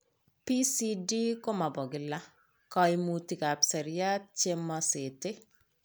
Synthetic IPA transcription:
pi˦si˦di˦ko˦ma˨bɔ˨ɡɪ˨la˦ | kɔ˨imu˨ti˨ka˨psɛ˨ɾja˦t̚t͡ʃe˦mɔ˦se˨te˦

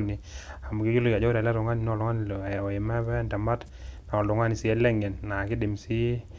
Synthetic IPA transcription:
ni˨a˨mu˨ki˦ki˦lo˦ka˨d͡ʒɔ˦da˨la˦ɾʊ˨ŋa˦ni˨nɔ˦˨lʊ˦ŋa˦n˨lɔ˨e˨mɛ˦bɛ˦nda˨ma˦t | na˨ɔ˨lʊ˨ŋa˦ni˨si˨ɛ˦lɛ˦ŋɛ˨nːa˨ki˦dɪ˨msi˦

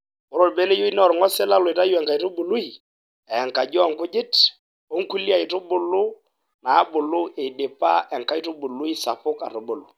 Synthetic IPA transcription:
ʊ˨˦ɾo˨lbe˦le˦jo˦i˦n˦ɔ˨ɾŋɔ˦sɛ˦la˦lo˨i˨ta˦ju˦ɛ˨ŋka˨i˨tʊ˦bʊ˨lu˦i˨ | ɛ˨ŋka˨d͡ʒɔ˦˨ŋ˨kʊ˦d͡ʒɪ˦t | o˦ŋ̩˦ku˦li˦a˨ɪ˨tʊ˦bʊ˦lʊ˦ | naː˨˦bʊ˨lʊ˦e˨de˨pa˦ʔɛ˨ŋka˦i˦tʊ˦bʊ˨lu˦i˦sa˨pʊ˦ka̰˨tʊ˨bʊ˨lʊ̰˨

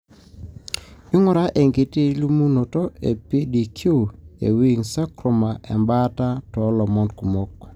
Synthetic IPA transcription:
ɪ˦ŋɔ˨ɾa˦ʔe˨ŋɡe˨te˦lu˦mu˦no˨tɔ˦ḛ˨pi˦di˨kʰju˦ḛ˨wi˦ŋsa˦kɾo˨ma˨ʔɛ̰˨mba˦ta˦tɔ˨˦lɔ˨mɔ˦nku˨mo˦kː

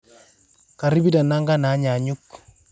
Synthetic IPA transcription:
ka˨ɾi˦bi˦ta˨na˦ŋɡa˦na˨˦ɲa˨ɲu˦k

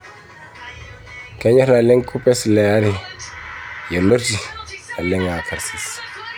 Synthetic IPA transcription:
ka˦ɲa˦ɾa˨le˦ŋkʰu˦pɛ˦sle˨a˦ɾi˦˨ | je˨lo˦ɾd͡ʒi˨a˨lɛ˦ŋa˨kʰa˨ɾsi˨s

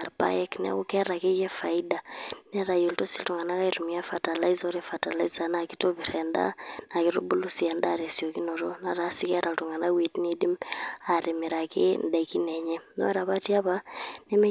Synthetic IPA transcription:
a˨ɾpa̰˦jkn̰˦a̰˦ku˦kɛ˦ɾa˨ke˦kɛ˦fa˨i˦da˨nɛ˦ɾa˨jo˨lto˦si˦ltu˨ŋa˨na˦ka˦iɾu˨mi˦a˦fa˨ta˨la˦i˦zɔ˦ɾe˦fa˨ta˨la˦iza˦na˨ki˦to˦βi˨ɾɛnda̰˦na˨ki˦ɾo̰˦bu˦lu˦si˨ɛ˨nda˦ɾe˨sjo˨ki˦no˨ɾo˦na˦ɾa˦si˦kɛ˦ɾa˨ltu˨ŋa˨na˦wi˨tni˦di˦maɾe˨mi˨ɾa˨kɪ˦nda˨iki˦nɛ˨ɲɛ˦nɔ̰˦ɾa˨βa˦ti˦a˦pa˦nɛ˦me˦

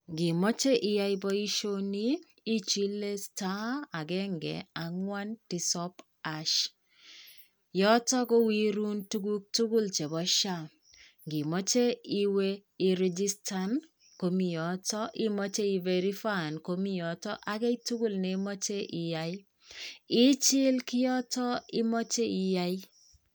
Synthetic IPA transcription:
ɡɪ˨mɔ˦t͡ʃe˦ʔɪ˨ja˦jbɔ˦i˦ʃo˦niː˦ | t͡ʃi˦le˦sta˦a˨ɡɛ˦ŋɡɛ̰˨a˨ŋwa˦nti˨sɔ˦p | a˨ʃ | jɔ˦tɔ˦ko˦wi˦ɾu˦ntu˦ɡu˦k̚tu˦ɡu˦lt͡ʃe˨bɔ˦ʃa˦˨ | ŋɡɪ˨mɔ˦t͡ʃe˦i˦we˦i˨˦ɾɛ˦d͡ʒi˦sta˦n | ko˨mi˨jɔ˨tɔ˦ʔɪ˦mɔ˦t͡ʃe˦i˨ve˨ɾi˦fa˦˨nko˦mi˦jɔ˨tɔ˦ʔa˦ɡɛ˦i˦tu˦ɡu˦lne˨mɔ˦t͡ʃe˦ʔɪ˨ja˦i˦ | ɪ˦t͡ʃɪ˦lkɪ˦jɔ˦tɔ˦ɪ˦mɔ˦t͡ʃe˦i˨ja˦i˦

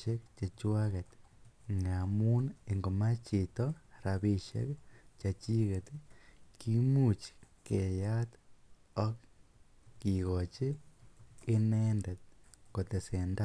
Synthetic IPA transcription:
e˦kt͡ʃe˨t͡ʃwa˦ɣe˨t̪ŋa˨mu˦ne˨ŋɡo˨ma˦t͡ʃe˨toɾa˨βi˦ʃḛ˦kt͡ʃa˨t͡ʃi˦ɣe˨t̪iki˦mu˨t͡ʃke˨ja˦t̪ | o˦k | ki˨ɣo˨t͡ʃeː˦ | ne˦nde˨t̪̚ko˨t̪e˨se˨nda˦

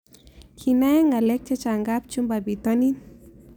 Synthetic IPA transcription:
kʰina˦ŋɡa˨lɛ˦k̚t͡ʃa˦t͡ʃa˨ŋɡap̚t͡ʃu˦mba˨bit̪ɔ˦ni˦n

